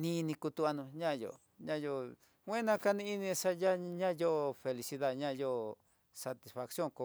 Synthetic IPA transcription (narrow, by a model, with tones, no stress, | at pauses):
nĩ˦˧nĩ˧ku˧t̪u˧a˧nũ˧ɲã˦˧jo̰˨ | ɲã˦˧jo˧ | wʷẽ˦nã˧ka˧nĩ˧i˦nĩ˧ʂa˦ja˦ɲã˦˧jo˦˧fe˧li˧si˧ða˦˨ɲã˦˧jo˦ | sa˧t̪i˧sfa˧ksjo˦˨ŋko˧